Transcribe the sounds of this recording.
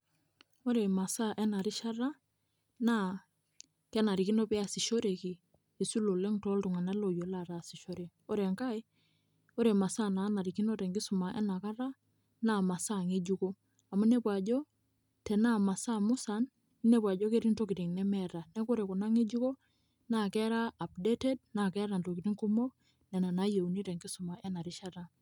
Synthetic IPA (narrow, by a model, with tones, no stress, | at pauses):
o˦ɾe˨ma˨sa˦ʔɛ˦na˨ɾi˦ʃa˦ɾa˦ | na˦ | kɛ˦na˨ɾi˨ki˦nɔ˦pɛ˦a˨si˨ʃo˦ɾe˨ki˨ | e˨su˦lo˨le˦ŋtɔ˦ltu˨ŋa˨nɛ˦lo˨jo˨la˨ɾa˨si˨ʃo˦ɾe˨ | o˦ɾe˨ŋka˦j | o˦ɾe˨ma˨sa˦na˨˦na˨ɾi˨ki˦no˦tɛ˨ŋɡi˦su˨ma˨ʔɛ̰˦na˨ka˦ɾa˦ | na˨ma˨sa˦˨ŋe˦d͡ʒu˦ko˦ | a˨mu˦ne˦pwa˨d͡ʒɔ˦ | tɛ˨na˦˨ma˨sa˦mʊ˦sa˨n | i˦ne˦pwa˨d͡ʒo˦ke˦ɾi˦nto˦ki˨ti˨ŋnɛ˦mɛ˦ɾa˨nɛ˦ko˦ɾe˨kʊ˨na˦ŋe˦d͡ʒu˦ko˦ | na˨kɛ˦ɾa˦a˨p̚de˦te˦d̚na˨kɛ˦ɾa˨nto˨ki˨ɾi˦ŋku˦mo˦ | nɛ˨na˨na˦je˨u˨ni˦te˨ŋɡi˦sʊ˨ma˨ʔɛ˦na˨ɾɪ˦ʃa˦ta˦˨